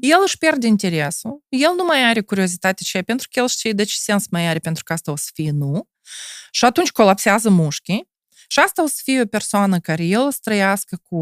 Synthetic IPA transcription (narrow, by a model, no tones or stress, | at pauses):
jelˠɨʃpʲe̞rd̪ʲeint̪ʲeɾesujelˠnumajaɾʲekuɾʲiozit̪at̪ʲet͡ʃejapʲent̪ɾukəjelˠʃt̪ʲejd̪at͡ʃe̥sʲensmajaɾʲepʲent̪ɾu̥kast̪aosə̥fijnu | ʃiat̪unt͡ʃʲko̞lapseazəmuʃkʲi | ʃiast̪alsə̥fijopʲersoanəkaɾʲejelˠəst̪ɾəjaskəku